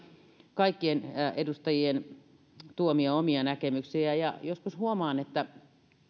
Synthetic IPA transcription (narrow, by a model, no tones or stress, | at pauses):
kɑikːienedust̪ɑjien | t̪uomiɑomiɑnækemyksiæjɑjoskushuomɑːnet̪ːæ